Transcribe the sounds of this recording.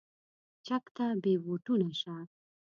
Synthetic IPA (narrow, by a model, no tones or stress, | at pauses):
t͡ʃakt̪abeboʈunaʃa